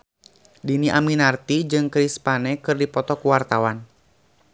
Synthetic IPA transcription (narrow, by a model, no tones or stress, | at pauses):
diniʔaminart̪id͡ʒɨŋkɾispanɛkɨrdipɔt̪ɔkuwart̪awan